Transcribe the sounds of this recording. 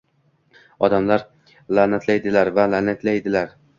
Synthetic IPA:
ɒd̪amlaɾ | lanat̪ʰlajd̪ɪlaɾvalanat̪ʰlajd̪ɪlaɾ

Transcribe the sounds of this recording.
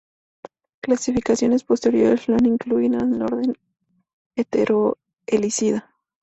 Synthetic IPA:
klasifikasjo̞ne̞spo̞st̪e̞ɾjo̞ɾesnaniŋkluinaðelo̞̰ɾðe̞n | et̪eɾʔo | elisiða

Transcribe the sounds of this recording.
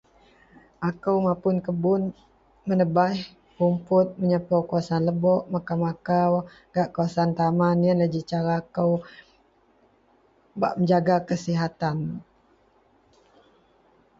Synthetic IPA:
ʔakəwmapʊnkəbʊn | mənəbah | pumpʊt̪̚məɲapəwkəwasanləbɔʔmakamakaw | ɡ̥aʔkawasaant̪amaniənləd͡ʒit͡ʃaɾakəw | baʔməɲd͡ʒaɡakəsiɦat̪an

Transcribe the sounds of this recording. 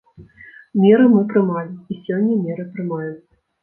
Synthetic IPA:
mʲɛɾɨmɨpɾɨmalʲiisʲɔnʲːɐmʲɛɾɨpɾɨmajut̪sɐ

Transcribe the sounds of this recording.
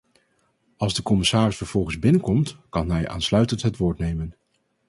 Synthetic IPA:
ɑlˠzdəkɔmɪsaːrɪsfəɹv̥ɔlˠχənzbɪnəkɔmtkɑnɦɛjʔa̰ːnslœɥtəntɦətʋʊːɹtnejmən

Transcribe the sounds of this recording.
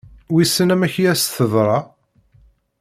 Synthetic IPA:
wisːənæmæçjæsθəðˤɾˤɑ

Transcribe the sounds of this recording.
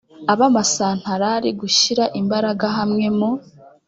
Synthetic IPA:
aβamasaːn̥haɾaɾiɡuʃiɾaʔimbaɾaɡaɦamŋe̞mo

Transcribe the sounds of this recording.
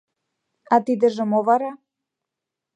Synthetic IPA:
at̪id̪əʒəmovaɾa

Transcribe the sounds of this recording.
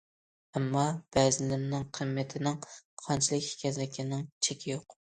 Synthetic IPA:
ɛmːɑb̥ɛzɪlɪmnɪŋqʰəmːɪt̪ʰɪnɪŋqʰɑnt͡ʃʰilˠɪkʲhkʲʰɛzɪkʲʰɪnɪŋt͡ʃʰekʲʰɪjoq

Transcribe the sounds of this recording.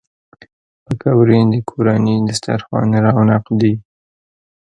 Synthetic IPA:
pəkawɾed̪əkʰoɾanid̪əst̪a̰ɾxwɑ̰nɾɑwnaqd̪i

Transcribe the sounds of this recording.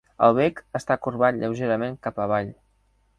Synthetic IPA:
ə̰lˠβekəst̪akurβat̪ʎəwʒeɾəmeŋkapəβaʎ

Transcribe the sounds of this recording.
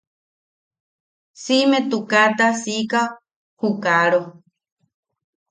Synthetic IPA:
simet̪ukat̪asika | hukaɾo

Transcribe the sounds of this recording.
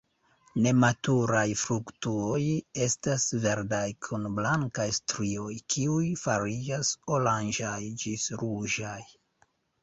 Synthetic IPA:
ne̞matuɾajfɾuktuo̞je̞stasve̞ɾdajkʰunblaŋkajstɾio̞jkʰiujfaɾid͡ʒasoland͡ʒajd͡ʒisɾuʒaj

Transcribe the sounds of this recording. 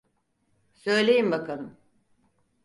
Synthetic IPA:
sø̞jlʲe̞jimbakʰalˠɯm

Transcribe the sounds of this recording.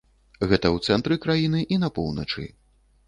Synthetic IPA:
ɣɛt̪ɐwt̪sɛnt̪ɾɨkɾajinɨʔinɐpɔ̰wnɐ̰t͡ʂɨ̰

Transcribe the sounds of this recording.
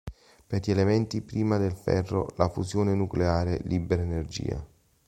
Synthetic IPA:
peɾʎelemɛnt̪ipɾiːmad̪elfɛ̰rːo̰lafuzjoːnenukleaːɾḛlʔiːbeɾaenerd͡ʒḭːa̰

